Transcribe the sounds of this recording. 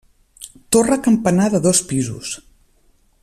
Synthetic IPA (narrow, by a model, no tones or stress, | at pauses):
t̪orəkəmpənaðəðɔspizṵs